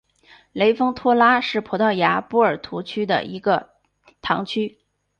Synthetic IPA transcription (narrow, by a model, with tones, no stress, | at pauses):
le˧˥ɪfɤ˥ŋt̪ʰwɔ˥la˥ʂɻ̩˥˩pʰɔ˧˥t̪ɑ˥˩ʊja˧˥pu˥ə˞˨˩t̪ʰu˧˥t͡ɕʰy˥d̪ə̰˨i˧˥ɡə˧ | t̪ʰɑ˧˥ŋt͡ɕʰy˥